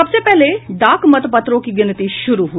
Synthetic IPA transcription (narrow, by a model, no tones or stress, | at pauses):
ɐbsepɛɦleɖaːkmɐt̪pɐt̪ɾõkiɡɪnət̪iʃʊɾuɦu